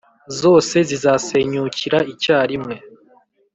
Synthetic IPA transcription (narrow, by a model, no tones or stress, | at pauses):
zo̞ːse̞zizaːse̞ːɲuciɾaicaːɾimŋe̞